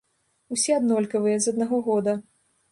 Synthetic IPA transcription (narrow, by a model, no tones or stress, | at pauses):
usʲɛɐd̪nɔlʲkɐvɨjɛzɐd̪naɣɔɣɔd̪ɐ